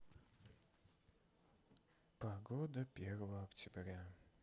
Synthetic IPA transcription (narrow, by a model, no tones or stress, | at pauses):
pɐɡod̪əpʲerəvəəɐktʲɪbɾʲa